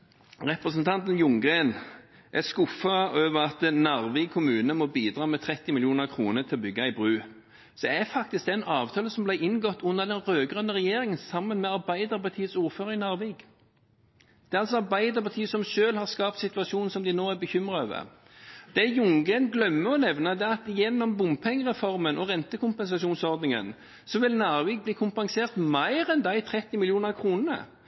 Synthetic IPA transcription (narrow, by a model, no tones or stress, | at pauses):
ʁɛpɾəsənt̪ʰɑnt̪ənjʊŋɡʁeːn | ʔæskʊfəøːʋəɾɑt̪nɑʁʋɪɡ̚kʰʊmʉːnəmɔbiːd̪ɾɑːmɛt̪ʰɾɛt̪ːɪmɪljuːnəɾkʰɾuːnət̪ʰɪlɔbʏɡːɑɪbɾʉː | sɔæɾfɑk̚t̪ɪsk̚d̪ɛnɑːʋt̪ʰɑːləsɔmblæɪʔɪnɡɔt̪ːʊnːəd̪ɛnʁøːɡʁœnːəʁɛjeːɾɪŋənsɑmːənmɛɑɾbæɪd̪əɾpɑʁt̪ʰiːəsuːɾføːɾəɪnɑɾʋeːɡ | d̪̥ɛːɑlsɔɑʁbæɪd̪əʁpɑt̪ʰiːəsɔmʃøːlhɑʁskɑːpt̪sɪt̪ʊɑsuːnn̩sɔmd̪ɪnoːæɾbəçʏmɾɑøːʋə̰ | d̪̥ɛjʊŋɡənɡlœmːəɔnɛʋnəd̪ɛæɑt̪jɛnːɔmbʊmpʰɛŋːəʁɛfɔʁmənʔɔʁɛnt̪əkʊmpɛns̬ɑsuːnsɔʁd̪nɪŋə̰n | sɔʋɪlnɑːɾʋiːɡ̚bliːkʰʊmpɑŋseːʁt̪mæɪɾɛnd̪ɑɪt̪ʰɾɛt̪ːɪmɪlɪuːnəkʰʁuːnnə̰